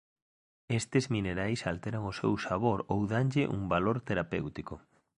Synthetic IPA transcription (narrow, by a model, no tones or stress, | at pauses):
est̪ɪzmineɾajsalt̪eɾaŋʊsḛwsaβoɾowðanʎɪʔṵŋbaloɾt̪eɾapewt̪ikʊ